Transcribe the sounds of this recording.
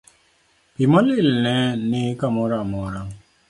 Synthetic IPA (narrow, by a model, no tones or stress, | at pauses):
pimɔlilnɛ̃nikamɔɾamɔɾaŋ